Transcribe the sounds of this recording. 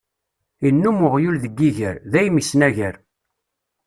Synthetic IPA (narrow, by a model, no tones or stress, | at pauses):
inːumʊʁjulðəɡːiʝəɾðæjmisnæʝəɾ